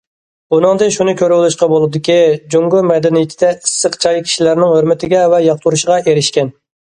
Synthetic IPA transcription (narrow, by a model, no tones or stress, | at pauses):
bunɨŋd̪ɨnʃunɨkʲʰøɾwlˠuʃqɑbolˠɨd̪ɪkʲid͡ʒoŋɡʊɾmɛd̪ɛnijɪt̪ʰɪd̪ɛisːəqt͡ʃʰɑjkʲʰi̥ʃilæɾnɪŋhøɾmɪt̪ʰɪɡʲɛvɛjɑχt̪ʰuɾuʃəʁɑʔeɾɪʃkʲɛn